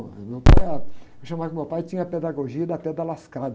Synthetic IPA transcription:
mewpa̰jɛewʃɐ̃mavkʊmewpajt͡ʃĩɲɐped̪aɡoʒiɐd̪ɐpɛd̪ɐlaskad̪

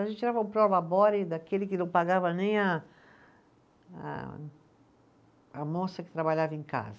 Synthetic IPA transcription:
aʒẽt̪t͡ʃɛɾavɐũpɾɔlabɔɾɪd̪akelɪkɪnɐ̃w̃paɡavɐnẽj̃a | a̰ | mosɐkɪ̥t̪ɾabaʎavẽka̰zɐ

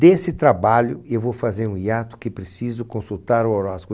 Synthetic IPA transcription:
d̪esɪt̪ɾabaʎʊewvowfazeɾũiat̪ʊ̥kɪpɾesizʊkõsut̪aɾʊoɾasp

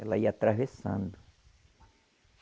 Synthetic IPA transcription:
ɛlaiat̪ɾavesã̰nd̪ʊ

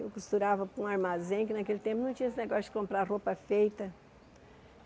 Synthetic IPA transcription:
ḛwkust̪uɾavɐpũaɾmazẽkɪnakelɪt̪ẽmpʊnɐ̃w̃t͡ʃĩɐesɪneɡɔsjʊd͡ʒɪ̥kõmpɾaɾropɐfejt̪ɐ

